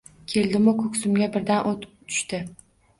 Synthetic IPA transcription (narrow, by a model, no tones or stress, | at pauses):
kʲʰe̞ld̪ɪmʊkʰɵkʲsʊmɡʲabɪɾd̪anʔot̪t̪ʰʊ̥ʃt̪ɪ